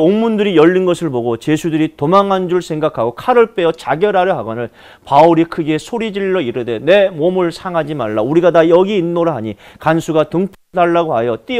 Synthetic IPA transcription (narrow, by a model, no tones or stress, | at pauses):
onmundɯɾijʌʎːinɡʌsʰɯɭboɡot͡ɕesʰudɯɾitomaŋɦand͡ʑuɾɯɭsʰe̞ŋɡakʰaɡokʰaɾɯɭp͈e̞ʌt͡ɕaɡjʌɾaɾjʌɦaɡʌnɯɭ | pauɾikʰɯɡesʰoɾid͡ʑiɭːʌiɾɯde̞ne̞momuɭsʰaŋɦad͡ʑimaɭːauɾiɡadajʌɡiːnːoɾɯɭɦaɲikansʰuɡatɯŋpʰdaɭːaɡoɦajʌt͈i